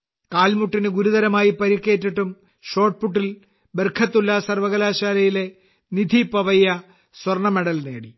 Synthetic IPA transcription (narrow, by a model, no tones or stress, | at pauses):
kaːlmuʈːinɨɡuɾuðɐɾɐmaːjipɐɾikːe̞ːtːiʈːum | ɕo̞ːʈ̚puʈːil | berkʰɐt̪ːulːɐsɐrʋɐɣɐlaːɕaːlɐjile̞ | nid̪ʱipɐʋɐjɐ | swɐrɳɐmeɽɐlne̞ːɽi